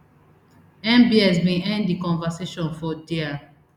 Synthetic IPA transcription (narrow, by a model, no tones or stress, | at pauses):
ɛ̃mbiɛsbĩɛ̃nddikɔ̃nvaseʃɔ̃nfɔdia